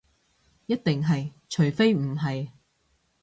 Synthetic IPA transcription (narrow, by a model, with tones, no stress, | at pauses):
jɐ˥t̚t̪ɪ˨ŋɦɐ˨j | t͡ʃʰɵ˨˩ɥfe˥jm̩˨˩ɦɐ˨j